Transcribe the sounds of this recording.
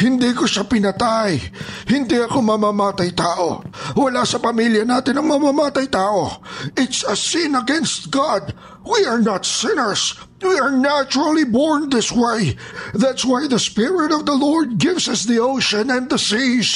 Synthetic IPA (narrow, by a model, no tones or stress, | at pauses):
hɪnd̪ikoʃapɪnɐt̪ajhɪnd̪iɐkomɐmamaːt̪ɐjt̪aːʔo̰wɐlasɐpɐmiljɐnat̪ɪnɐŋmɐmamaːt̪ɐjt̪aːʔoɪt̪sɐsɪ̃nɐɡɛ̃nst̪̚ɡad̪̚ | wiɐɹnat̪sɪ̃nə˞s | wiɐɹnæt͡ʃʊɹəlibɔɹnðɪswejðæt̪swajðɐspɪɹɪt̪ɔvðɐlɔɹd̪̚ɡɪvsɐsðioʊʃõnɛ̃nd̪d̪əsis